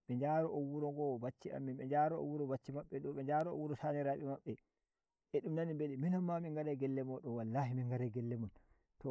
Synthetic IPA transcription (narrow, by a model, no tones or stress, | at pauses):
ɓɛɲd͡ʒaɾɔʔowuɾɔŋɡɔbat͡ʃːia̰mːinɓɛd͡ʒaɾɔo̰wːuɾɔbat͡ʃːimaɓːɛɗɔɓɛd͡ʒaːɾɔo̰wuɾɔsaniɾaɓɛmaɓːɛ | ʔɛɗumnanimbeliminamːamiŋɡaɾɛɡɛlːɛmɔɗɔnwalːahimiŋɡaɾɛɡɛlːɛmɔn | tɔ